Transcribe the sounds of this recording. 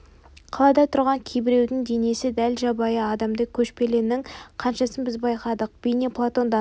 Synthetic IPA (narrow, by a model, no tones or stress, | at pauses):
qʰɑlˠɑd̪ɑt̪ʰʊɾʁɑŋkʲʰejbɪɾe̞wd̪ɪŋd̪e̞ne̞sɪd̪ælʒɑbɑjəɑd̪ɑmd̪əkʲʰɵʃpe̞le̞nɪŋqʰɑnʃɑsənbɪzbɑjqɑd̪əq̚b̥ejneplˠat̪o̞nd̪ɑ